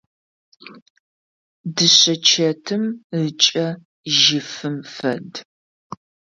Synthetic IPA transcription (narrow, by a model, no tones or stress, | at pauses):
dɨɕɐt͡ʃʰɐtʰɨmɨt͡ʃʼɐ | ʒɪfɨmfɐ̰d